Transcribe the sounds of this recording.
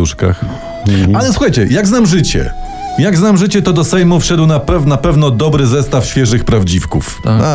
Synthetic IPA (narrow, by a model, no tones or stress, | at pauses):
uʂka̰x | alɛswuxajt͡ɕɛjaɡznamʐɘt͡ɕɛ̰ | jaɡznamʐɘt͡ɕɛt̪ɔd̪ɔsɛjmufʂɛd̪wnapɛvnapɛvn̪ɔd̪ɔbɾɘzɛst̪afɕfʲjɛʐɘxpɾavd͡ʑifkuf